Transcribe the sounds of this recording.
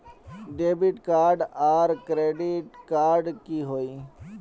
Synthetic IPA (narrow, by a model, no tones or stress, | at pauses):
ɖeːbiʈkaːɾɖaːɾkɾeːɖiʈkaːɾɖkiɦoːiː